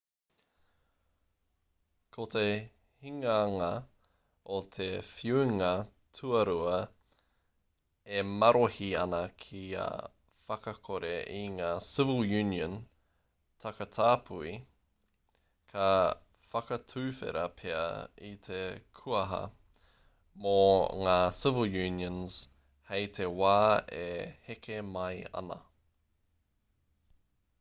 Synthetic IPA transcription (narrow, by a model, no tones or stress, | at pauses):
kʰote | hiŋɐːŋɐ | ot̪ʰefjuiŋɐ | tʰuɐɾuɐ | emɐɾohiɐnɐkʰia̰ | fɐkɐkʰoɾeʔiŋaːsɪvəlˠjʉniə̃n | tʰɐkɐtʰaːpʰui | kʰɐ | fɐkɐtʰʉːfḛɾɐpʰeɐ̰it̪ʰekʰuɐɦɐ̰ | moŋaːsɪvəlˠjʉːniə̃nz̥ | hejtʰewaːehekʰemɐjɐ̰nɐ̰